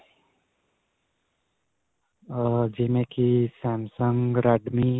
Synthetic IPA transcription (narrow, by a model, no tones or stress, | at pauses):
ʌd͡ʒimekisamsʌŋɾaɖmi